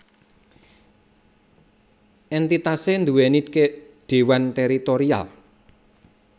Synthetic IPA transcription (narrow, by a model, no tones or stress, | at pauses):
ʔɛnt̪it̪asend̪uweniked̪̥e̤want̪ɛɾit̪oɾia̰l